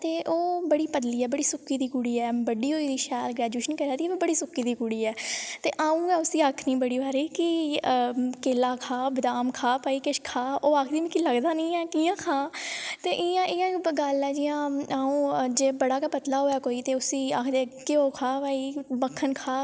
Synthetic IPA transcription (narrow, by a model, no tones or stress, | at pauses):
t̪eːʔoːbəɽiːpəd̪liːɛːbəɽiːsʊkːiːd̪iːkʊɽiːɛːbəɖiːɦoːiːd̪iːʃɛːlɡɾɛːd͡ʒjuːʃənkəɾaːd̪iːʋibəɽiːsʊkːiːd̪iːkʊɽiːɛːt̪eːʔaːũːɛːʊsiːaːkʰnĩːbəɽiːʋaːɾiːkɪ | keːlaːkʰaːbɪd̪aːmkʰaːpaːiːkɪʃkʰaːoːaːkʰd̪iːmĩkiləɡd̪aːnĩːɛːkiːãːkʰãːt̪eːʔɪjãːʔɪjãːɡəlɛːd͡ʒiːãːaːũːd͡ʒeːbəɽaːkaːpət̪laːɦoːɛːkoːiːt̪eːʊsiːaːkʰd̪eːkeoːkʰaːʋaːiːbəkʰːənkʰaː